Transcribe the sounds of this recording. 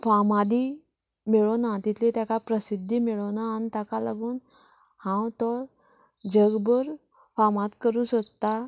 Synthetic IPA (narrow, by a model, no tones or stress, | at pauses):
famad̪i | meɭonat̪it̪ʰlet̪jakapɾəsid̪ʱːimiɭonaːnit̪akala̰ɡuːn | hãwt̪ɔ | d͡ʑəɡbəɾ | famãt̪kəɾũːnsokt̪a